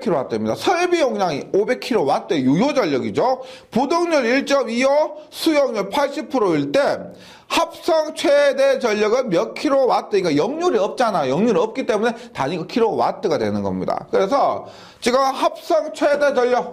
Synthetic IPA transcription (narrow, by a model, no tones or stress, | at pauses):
kʰiɾowat͈emɲidasʰʌɭbijoŋɲaŋiobe̞kʰiɾowat͈ejujod͡ʑʌʎːʌɡid͡ʑo | pudoŋɲuɾiɭt͡ɕ͈ʌmijʌsʰujʌŋɲuɭpʰaɭɕ͈ʰipʰɯɾoiɭt͈e̞ | hap̚s͈ʌŋt͡ɕʰwede̞d͡ʑʌʎːʌɡɯnmjʌkʰiɾowat͈ɯik͈ajʌŋɲuɾiʌp̚t͡ɕ͈anajʌŋɲuɾiʌp̚k͈it͈e̞mune̞taɲiɡokʰiɾowa̰t͈ɯɡadwe̞nɯnɡʌ̰mɲḭda̰kɯɾe̞sʰʌ | t͡ɕiɡɯmhap̚s͈ʌŋt͡ɕʰwe̞de̞d͡ʑʌʎːʌk̚